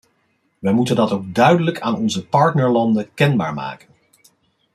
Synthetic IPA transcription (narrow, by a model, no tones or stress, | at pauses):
ʋɛjmutəndɑtowɡ̚dœɥdələkʰaːnɔnzəpɑɹtnəɹlɑndəkɛnba̰ːɹma̰ːkən